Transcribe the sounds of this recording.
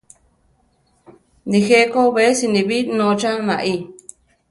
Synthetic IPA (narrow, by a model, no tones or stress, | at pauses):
nĩxekoβesinĩβinõt͡ʃanãʔi